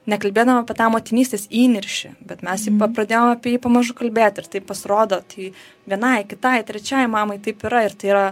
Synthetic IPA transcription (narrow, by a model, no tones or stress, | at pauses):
nʲɛkɐlʲbʲeːd̪ɐʋomɐpʲiɛt̪ɑːmoːt̪ʲɪnʲiːsʲt̪ʲeːsiːnʲɪɾʲʃʲɪ̰bʲɛt̪mʲɛsjɪpɐpɾɐd̪ʲeːjomɐpʲiɛjiːpɐmɐʒʊkɐlʲbʲeːt̪ʲɪɾt̪ɐɪppɐsʲɾoːd̪oːt̪ʲɐɪ | ʋʲiɛnɐɪkʲɪt̪ɐjt̪ʲɾʲɛt͡ʃʲɛjmɑːmɐɪt̪ɐɪpɪɾɐɪɾt̪ɐɪiɾɐ